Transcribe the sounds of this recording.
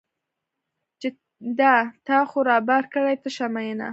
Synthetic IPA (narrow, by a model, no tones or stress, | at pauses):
t͡ʃe | d̪ɑt̪ɑxoɾɑbaɾkəɽajt̪əʃamajəna̰